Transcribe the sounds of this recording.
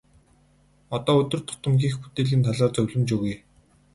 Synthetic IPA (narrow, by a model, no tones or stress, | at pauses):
ɔt̪ɔːɵt̪ɵ̆r̥t̪ʰʊ̥t̪ə̆mɡʲiːxbut̪eːɮʲiːnt̪ʰaɮaːrt͡sɵwʲɮɘ̆mt͡ɕɵɣuj